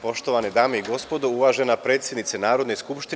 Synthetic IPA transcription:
po̞ʃt̪o̞ʋaned̪aːmeiɡo̞spo̞d̪ouʋaːʒenapɾeːt̪sjed̪nit̪senaːɾo̞d̪neskupʃt̪i

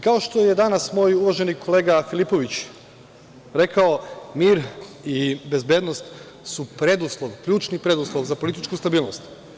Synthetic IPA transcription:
kao̞ʃt̪ojed̪anasmo̞ːjuʋaʒe̞nikʰole̞ːɡafilipo̞ʋit͡ɕ | ɾe̞kaomiːɾ | ibe̞zbe̞d̪nost̪ | supɾe̞d̪uslˠoʋkʎuːt͡ʃnipɾe̞d̪uslˠoʋzapo̞lit̪it͡ʃkust̪abiːlˠnost̪

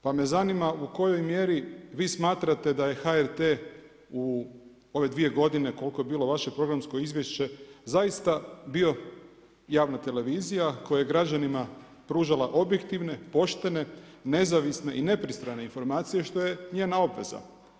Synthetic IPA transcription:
pame̞zanimauko̞jo̞jmje̞ɾiʋiːsmaːt̪ɾat̪e̞d̪aje̞xaeɾt̪eː | u | o̞ʋe̞d̪ʋie̞ɡo̞d̪ine̞ko̞lˠko̞je̞biːlo̞ʋaʃe̞pɾo̞ɡɾamsko̞izʋje̞ʃt͡ɕe̞zajist̪abio̞ | jaːʋnat̪e̞le̞ʋiːzijako̞jajeɡɾad͡ʑanima | pɾuːʒalaʔo̞bje̞kt̪iʋne̞po̞ʃt̪e̞ne̞ne̞zaʋisne̞ʔine̞pɾist̪ɾane̞info̞ɾmaːt̪sije̞ʃt̪o̞je̞ɲeːnao̞bʋe̞za̰

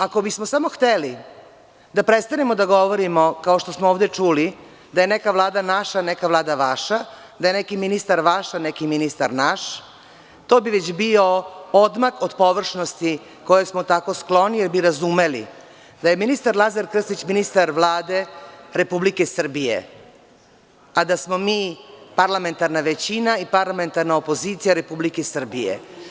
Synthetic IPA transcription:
ako̞bismosamoxt̪eli | d̪apɾe̞t̪st̪anemo̞d̪aɡo̞ʋoɾimo̞kao̞ʃt̪o̞smooːʋd̪e̞t͡ʂuli | d̪ajenekaʋlˠaːd̪anaʃanekaʋlˠaːd̪aʋaʃa | d̪ajenekiminist̪aɾʋaʃanekiminist̪aɾnaʃ | t̪obiʋet͡ɕbio̞od̪maxod̪po̞ʋr̩ʂnost̪i | ko̞jesmo̞t̪ako̞sklˠo̞nijeɾbiɾazume̞lḭ | d̪aje̞minist̪aɾlˠazaɾkr̩st̪it͡ɕminist̪aɾʋlˠaːd̪e̞ɾe̞publike̞sr̩bijḛ | ad̪asmo̞miːpaɾlame̞nt̪aɾnaʋet͡ɕinaipaɾlame̞nt̪aɾnaopo̞zit̪sijaɾe̞publikesr̩bijḛ

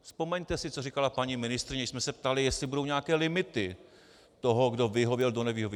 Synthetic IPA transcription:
spo̞mɛɲt̪ɛsɪt͡sorikalapaɲiːmɪnɪst̪ɾɪɲɛsmɛsɛp̚t̪alɪjɛst̪lɪbudo̞wɲɛakɛːlɪmɪt̪ɪ | t̪o̞ɦoɡdo̞vɪɦovjɛldo̞nɛvɪɦovj

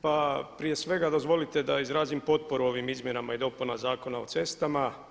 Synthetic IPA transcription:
papɾije̞sʋe̞ɡad̪o̞zʋo̞lit̪e̞d̪aizɾaːzimpo̞t̪̚po̞ɾuo̞ʋimizmje̞namaid̪o̞punazaːko̞nao̞t̪se̞st̪ama

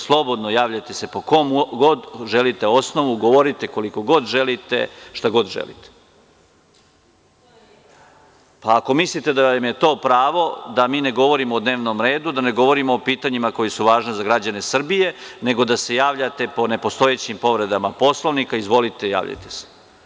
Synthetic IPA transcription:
slˠo̞bo̞d̪nojaːʋʎat̪e̞se̞po̞ko̞mɡo̞d̪ʒelit̪eo̞sno̞ʋuɡo̞ʋo̞ɾit̪eko̞liko̞ɡo̞d̪ʒe̞lit̪ḛʃt̪aɡo̞d̪ʒḛlḭt̪e̥ | paːko̞mislit̪e̞d̪aamje̞t̪o̞ːpɾaːʋo̞d̪amiːne̞ɡo̞ʋo̞ɾimoːd̪neːʋno̞mɾe̞ːd̪ud̪ane̞ɡo̞ʋo̞ɾimoːpiːt̪aɲimako̞jesuʋaːʒnezaɡɾad͡ʑane̞sr̩bije̞ne̞ɡo̞d̪ase̞jaːʋʎat̪e̞po̞ne̞po̞st̪o̞jet͡ɕimpo̞ʋɾe̞d̪amapo̞slˠoʋnikaizʋo̞lit̪e̞ja̰ːʋʎa̰t̪e̥se̥

